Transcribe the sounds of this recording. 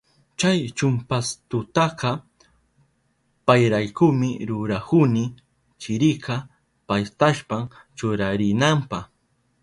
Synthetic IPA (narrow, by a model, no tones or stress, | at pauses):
t͡ʃajt͡ʃʊmpast̪ʊt̪ɑqɑ | pajɾajkʊmɪɾʊɾakʊnɪ | t͡ʃɪɾɪkɑ | pajt̪aʃpam | t͡ʃʊɾaɾɪnampɑχ